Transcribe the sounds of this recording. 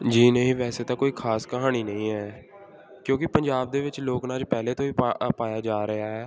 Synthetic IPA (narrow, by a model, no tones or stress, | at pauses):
d͡ʒiːnəɦĩːʋɛːseːt̪ãːkoːiːkʰaːskəɦaːniːnəĩːɛː | kjõːkɪpəɲd͡ʒaːb̚d̪eːʋɪt͡ʃloːknaːd͡ʒpɛːleːt̪õːiːpaːjaːd͡ʒaːɾɪɦaːɦɛː